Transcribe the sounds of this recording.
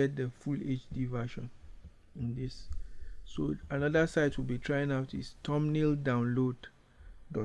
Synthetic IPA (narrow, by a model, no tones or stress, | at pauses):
ɛd̚dəfulet͡ʃdivaʃɔ̃n | ĩndisː | oanɔdasaɪtʰwilbitʰɹajĩŋaʊtḭstʰɔ̃mnildãʊ̃nlod | dɔ